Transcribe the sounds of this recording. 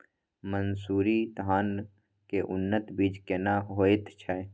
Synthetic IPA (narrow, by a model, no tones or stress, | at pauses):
mənsuːɾit̪ɦaːn | keʔʊnːət̪biːd͡ʒkenaɦoːet̪t͡ʃʰɛ